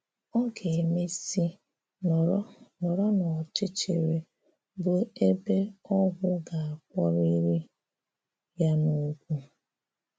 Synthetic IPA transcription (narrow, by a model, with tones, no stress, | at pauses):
ɔ˦ɡe˨e˨me˦si˦ | n˨˦nɔ˨ɾɔ˦nɔ˨t͡ʃɪ˦t͡ʃḛ˨ɾe˨ | bʊ˨e˦be˦ɔ˦ɡʷʊ˦ɡa˨a˨k̚ʷɔ˦ɾi˦ɾi˦ | ja˦no˨˦kʷu˦